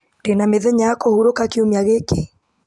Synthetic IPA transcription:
d̥enameðɛɲaakohuɾokakeomiaɣeke

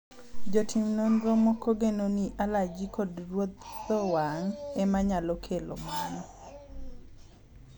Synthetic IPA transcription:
d͡ʒɔtʰimnonɾomokoɡenoniʔalad͡ʒikodrwot̪̚ːɔwaŋɛmaɲalokʰelo̰manɔ

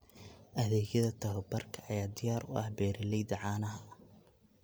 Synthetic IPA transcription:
ʔɐðɛːɣjɐðɐt̪ʰɐɦɔbɐrkʰɐɐjaːd̪ɪjaːɾʊ̰ʔɐ̰hbɛːɾɪlɛjd̪ɐʕɑːnɐɦɐ

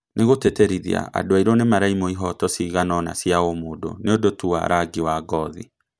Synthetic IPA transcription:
neɣoteteɾiðḭa̰a̰doaiɾɔnemaɾaimoiɦɔtɔsiɣanɔna̰sjaomoːdo̰neodotuwa̰ɾʔaɡiwaɡɔðḭ

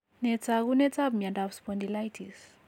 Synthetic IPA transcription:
net͡saɡunet͡sabmiaɳdabspɔnd̪ilajtʰis

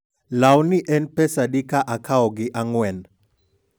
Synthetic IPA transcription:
lawniʔɛnpɛsadikaʔakʰaɔɡɪʔaŋwɛn

